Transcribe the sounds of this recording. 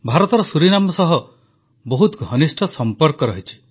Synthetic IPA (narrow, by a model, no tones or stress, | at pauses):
bʱaɾɔt̪ɔɾɔsuɾinamɔsɔɦɔ | bɔɦut̪ɡʱɔnisʈʰɔsɔmpɔɾkɔɾɔɦit͡ʃʰi̥